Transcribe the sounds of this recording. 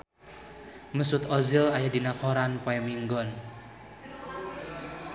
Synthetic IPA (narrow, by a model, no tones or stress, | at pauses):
məsʊt̪ɔzilajadinakɔɾanpɔjɛmiŋɡɔn